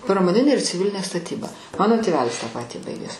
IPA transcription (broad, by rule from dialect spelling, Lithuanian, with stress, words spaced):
prɐmoːˈnʲɪnʲeː ɪr t͡sʲɪˈʋʲɪlʲɪnʲeː stɐˈtʲiːbɐ ˈmɑːnoː tʲeːˈʋʲæːlʲɪs tɑː ˈpɑːtʲiː ˈbɐɪɡʲæːs